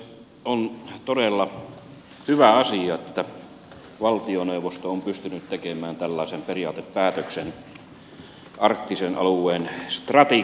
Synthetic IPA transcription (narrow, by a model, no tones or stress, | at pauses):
ont̪odelːɑ | hyʋæɑsiɑet̪ːæ | ʋɑlt̪ioneuʋˑost̪oompyst̪ynyt̪t̪ekemæːnt̪ælːɑˑesemperijɑ̰ːt̪eppæːt̪øksen | ʔɑrkt̪ːisenʔɑ̰luˑeːnst̪rɑt̪i